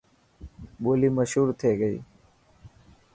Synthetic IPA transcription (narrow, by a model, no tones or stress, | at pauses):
boːliːməʃɦuːɾt̪ʰeːɡəḭː